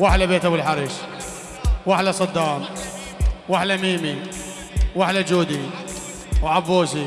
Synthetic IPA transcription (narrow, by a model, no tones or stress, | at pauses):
waħlabeːt̪awɪlħaɾˤiʃ | waħlasˤɨd̪ːɑːm | waħlamiːmi | waħlad͡ʒuːd̪i | wʕabːoːʃi